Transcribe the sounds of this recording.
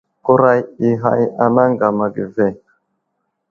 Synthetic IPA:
ku˦ɾa˦ji˦ɦa̰˦ja˨na˦ŋɡa˨ma˨ɡi˨ve˦˨

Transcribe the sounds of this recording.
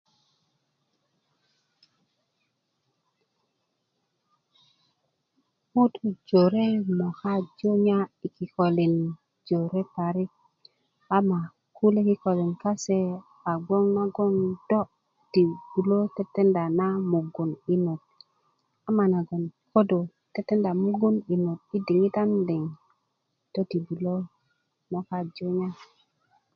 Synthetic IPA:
mu˦tu˦d͡ʒo˨ɾe˦mo˨xa˦d͡ʒo˦ɲa˦i˨ki˨ko˨li˨n | d͡ʒo˨ɾe˦pa˨ɾi˦ | a˦ma˨ | ku˦le˦ki˦ko˨li˨nka˦se˦ | a˨ɡo˦ŋna˦ɡo˦ŋdo˦ | di˨bu˨lo˦te˦tːe˦nda˨na˦mu˨ɡu˨ni˦no˨t̚ | a˦ma˨na˨ɡo˨nko˦do˨ | te˦tːe˦nda˨mu˦ɡu˦ni˨no˨t̚i˦di˨ŋi˦ta˦ndi˨ŋ | to˦ti˨bu˨lo˦ | mo˨ka˦d͡ʒo˦ɲa˦

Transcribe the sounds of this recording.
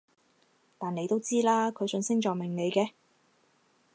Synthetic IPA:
t̪aː˨˩ne˨˧jt̪o˥wt͡siː˥laː˥kʰɵ˨˧ɥsɵ˧nsɪ˥ŋt͡ʃɔː˨kmɪ˨˩ŋne˨˧jkɛː˧

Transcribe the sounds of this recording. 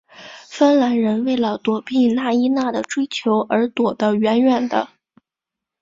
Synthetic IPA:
fə˥nla˧˥nɻə˧˥nwe˥˩ɪlə˩t̪wɔ˨˩pi˥˩na˥˩i˥na˥˩d̪ə˩ʈ͡ʂwe˥ɪt͡ɕʰjo˧˥ʊʔə˞˧˥t̪wɔ˨˩d̪ə˦ɥɛ˧˥nɥɛ˨˩nd̪ə̰˦

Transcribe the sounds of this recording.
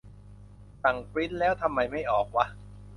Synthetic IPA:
sa˨˩ŋpɾi˦˥t̪̚lɛː˦˥wt̪ʰa˧mːa˧jma˥˩jʔɔː˨˩k̚wa˦˥ʔ

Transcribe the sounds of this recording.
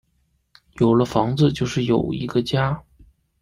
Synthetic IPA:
jo˨˩ʊlə˦fɑ˧˥ŋd͡zɹ̩˧t͡ɕjo˥˧ʊʂɻ̩˥˩jo˨˩ʊḭ˧˥ɡ̥ə˧t͡ɕja˥

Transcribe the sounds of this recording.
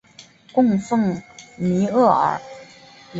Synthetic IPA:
kʊ˥˧ŋfɤ˥˩ŋmi˧˥ɤ˥˩ə̰˨˧˥

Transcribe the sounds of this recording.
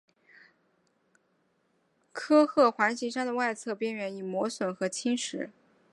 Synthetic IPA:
kʰɤ˥xɤ˥˩xwa˧˥nɕi˧˥ʂɑ˥ŋd̪ə˨wa˥˧ɪt͡sʰɤ˥˧pjɛ˥nɥɛ˧˥ni˨˩mwɔ˧˥swə˨˩nxɤ˧˥t͡ɕʰi˥ŋʂɻ̩˧˥

